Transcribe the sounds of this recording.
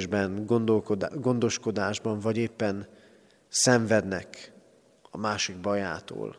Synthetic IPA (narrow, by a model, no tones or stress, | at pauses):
ʒbɛnɡond̪olkod̪ɡo̞nd̪o̞ʃko̞d̪aːʒbɒɱvɒɟeːpːɛn | sɛɱvɛd̪nɛk | ɒmaːʃiɡbɒja̰ːt̪o̰ːl